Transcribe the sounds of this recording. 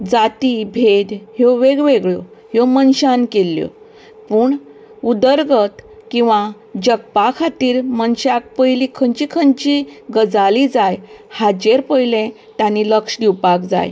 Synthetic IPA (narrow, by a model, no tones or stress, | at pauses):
d͡zat̪ibʱed̪ɦɔʋeɡʋeɡɭoɦɔmənɕankelːjo̰ | pəːɳ | ud̪əɾɡət̪kĩw̃ʋã | d͡ʑəɡ̚pakʰat̪iːɾmənɕak̚pəjlikʰəɲt͡ɕikʰəɲt͡ɕiɡəd͡zalid͡zajhad͡ʑeɾpəjlẽ | t̪jãniləkʂd̪iwpakd͡za̰j